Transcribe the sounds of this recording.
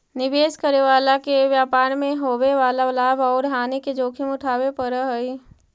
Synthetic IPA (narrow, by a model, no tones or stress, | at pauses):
nɪbeːskəɾeʋaːlakeʋjaːpaːɾmẽɦoːweʋaːlalaːbɔːɾɦaːneked͡ʒoːkʰɪmʊʈʰaːwepəɾəɦoi